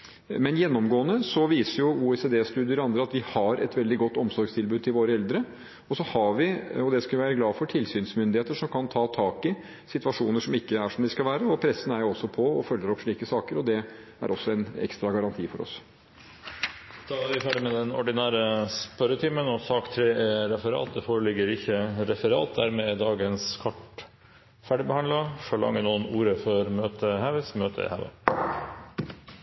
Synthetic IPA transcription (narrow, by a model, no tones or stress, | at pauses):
mɛnjɛnːɔmɡoːənəsɔʋiːsəɾjʊuːɛseːd̪eːst̪ʉːd̪ɪəɾɔɑnd̪ɾəɑt̪ʋɪhɑɾʔɛ̰t̪ʋɛld̪ɪɡɔt̪ːɔmsɔɾɡst̪ʰɪlbʉːd̪̚t̪ʰɪlʋoːɾəɛld̪ɾə | ɔsɔhɑʋɪɔd̪ɛskɑlʋɪʋæːɾəɡlɑːfɔʈʰɪlsyːnsmʏnd̪ɪheːt̪əʂɔmkʰɑnt̪ʰɑːt̪ʰɑːkɪ | sɪt̪ʋɑʂuːnəʂɔmɪkːəæʂɔmd̪ɪskɑʋæːɾəɔpʰɾɛsːən̩æɾjʊɔsːɔpʰɔɔfœlːəɾɔpʂɭiːkəsɑːkəɾɔd̪ɛ | æ̰ɾɔsːɔɛnɛ̰kst̪ɾɑɡɑɾɑnt̪ʰiːfɔɾɔ̰s | d̪̥ʰɑːlæɾʋɪfæːɖɪmɛd̪ɛnɔ̰ɖɪnæːɾəspœɾət̪ʰiːmənɔsɑːkt̪ʰɾeːʔɛɾɛfəɾɑ̰ːt̪̚d̪ɛfoːɾəlɪɡːəɾɪçːəɾɛfəɾɑ̰ːt̪̚d̪æɾmɛd̪ɑːɡənskʰɑʈ | fæɖɪbəhɑnd̪lɑfɔlɑ̰ŋːənuːənuːɾəfɔɾmøːt̪əhæʋəsmøːt̪ʰə̰ɪ̰hɑ̰ʋə̰